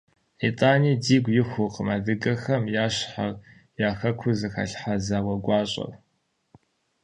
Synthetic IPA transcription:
itʼaːniːdiːɡʷjɪxʷʊqəmaːdɨɡɐxɐmjaːɕħa̰r | jaːxɐkʷʰʊzɨxɐ̰ɬħazaːwɐɡʷɑːɕʼɐ̰r

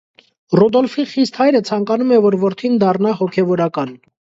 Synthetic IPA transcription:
rɔd̪ɔlfiχist̪hɑjɾət͡sʰɑŋkɑnumɛvɔɾvɔɾt̪ʰind̪ɑrnɑhɔkʰɛvɔɾɑkɑn

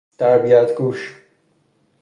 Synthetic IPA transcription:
t̪aɾbijat̪ɡuʃ

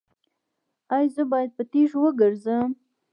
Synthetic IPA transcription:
ɑjzəbɑjad̪̚pət̪eʂwəɡəɾzəm

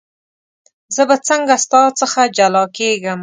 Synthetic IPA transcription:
zəbat͡səŋɡast̪ɑt͡səxad͡ʒalɑkeɡəm

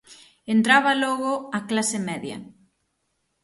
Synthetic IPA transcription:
ent̪ɾaβalɔɣoaklasemɛðjɐ̰

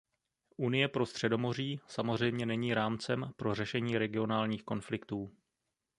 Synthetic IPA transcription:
ʔunɪjɛpɾo̞st̪r̥ɛdo̞mo̞r̝iːsamozr̝ɛjmɲɛnɛɲiːɾaːmt͡sɛmpɾo̞rɛʃɛɲiːɾɛɡɪo̞naːlɲiːxko̞nflɪkt̪uː

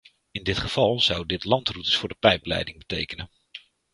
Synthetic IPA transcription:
ɪndɪtχəv̥ɑlˠz̥ʌwdɪtlɑntrutəsfʊːɹdəpɛjplɛ̰jdɪŋbətejkənən

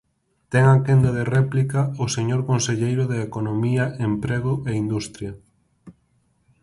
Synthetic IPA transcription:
t̪ɛŋakend̪aðerɛplikaʊseɲoɾkõnseʎejɾʊðeekonomiɐʔempɾeɣʊʔeind̪ust̪ɾjɐ

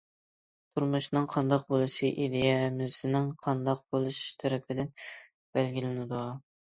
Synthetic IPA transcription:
t̪ʰuɾmuʃnɨŋqʰɑnd̪ɑq̚bolˠɨʃiʔid̪ɪjɛmɪznɪŋqʰɑnd̪ɑq̚bolˠuʃʃt̪ʰæɾɪpʰɪd̪ɪn | b̥ælɡʲilɪnɪd̪u

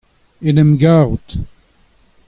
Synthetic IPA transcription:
enɛmɡaːʁut̪

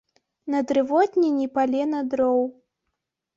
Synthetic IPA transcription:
nɐd̪ɾɨvɔd̪ʲnʲinʲipalʲɛnɐd̪ɾɔw

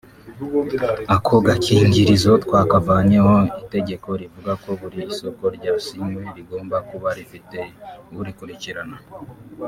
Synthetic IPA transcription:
akʰoɡakʰiːɲɟiɾizot̪waːkavaːɲeho̞ite̞ɟe̞ko̞ɾivuɡako̞βuɾiːso̞ko̞ɾɟaːsimweɾiɡo̞ːmbakuβaɾifite̞βuɾikuɾiciɾana

